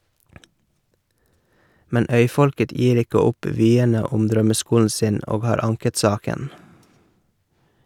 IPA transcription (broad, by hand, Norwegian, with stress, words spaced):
ˈmɛn ˈœʏˌfɔlkət ˈjiːɾ ˈɪkə ˈʊp ˈʋyːənə ˈʊm ˈdɾœməˌskuːln̩ ˈsɪn ˈoːɡ ˈhɑːɾ ˈɑŋkət ˈsɑːkən